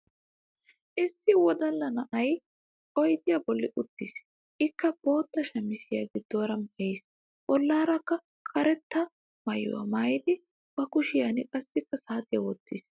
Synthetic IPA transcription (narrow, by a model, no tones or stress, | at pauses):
ʔɪsːɪwɔd̪ɐlːɐnɐʔɐj | ɔjd̪ɪjɐbɔlːɪʔʊt̪ːiːs | ʔɪkːɐb̥o̞ːt̪ːɐʃɐmːɪsɪjɐ̰ɡɪd̪ːoːɾɐmɐjɪs | bɔlːaːɾɐkːɐ | kʼʰɐɾɛt̪ːɐ | mɐjɔ̰wɐ̰maːjɪd̪ɪ | b̥ɐkʊʃɪjɐnɪkʼɐsːɪkːɐsaːt̪ɪjɐwɔt̪ːḭːs